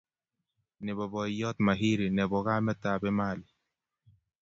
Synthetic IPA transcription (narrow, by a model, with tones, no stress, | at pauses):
nɛ˨bɔ˨bɔ˨jɔ˦t̪ma˨ɦi˦ɾi˨nɛ˨bɔ˨ɣa˦mɛ˦ta˨bɛ˦ma˦˨lɪ˨